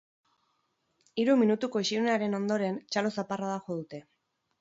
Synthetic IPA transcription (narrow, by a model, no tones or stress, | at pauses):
iɾuminut̪uko̞iʃiuneaɾe̞no̞nd̪o̞ɾe̞nt͡ʃalo̞saparaðaxo̞ð̞ut̪e̞